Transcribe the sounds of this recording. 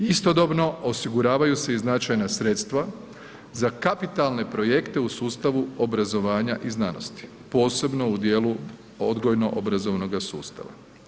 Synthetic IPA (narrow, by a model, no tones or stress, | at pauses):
ist̪o̞d̪o̞bno̞ʔosiɡuɾaːʋajuseiznat͡ʃajnasɾe̞t̪st̪ʋa | zakapit̪alˠne̞pɾo̞je̞kt̪e̞usuːst̪aʋuobɾazo̞ʋaːɲaʔiznano̞̰st̪i̥ | po̞ːse̞bno̞ud̪je̞ːlu | od̪ɡojno̞ʔobɾazo̞ʋno̞ɡasuːst̪a̰ʋa̰